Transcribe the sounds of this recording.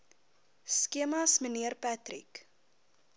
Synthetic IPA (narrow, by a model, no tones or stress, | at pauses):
skiəmɐsməniərpætrḭk